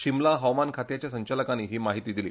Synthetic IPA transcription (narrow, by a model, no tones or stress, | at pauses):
ɕimlaɦəwmankʰat̪jat͡ɕjasəɲt͡ɕaləkanːiːɦiːmaɦit̪iːd̪iliː